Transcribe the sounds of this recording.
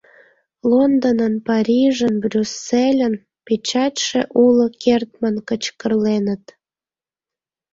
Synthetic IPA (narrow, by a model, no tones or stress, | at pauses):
lond̪onənpɑɾʲiʒənbrʲysːelʲən | pet͡ɕɑtʲʃeʔulokert̪̚mənkət͡ɕkərlenət̪